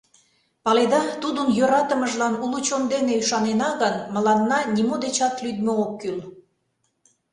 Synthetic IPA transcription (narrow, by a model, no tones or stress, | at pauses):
pɑled̪ɑt̪ud̪ənjøɾɑt̪əməʒlɑnulut͡ɕond̪eneyʃɑnenɑɣənməlɑnːɑnʲimod̪et͡ɕɑt̪lyd̪mookːyl